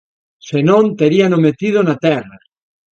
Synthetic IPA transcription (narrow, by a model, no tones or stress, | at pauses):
senõnt̪eɾianomet̪ið̞onat̪ɛra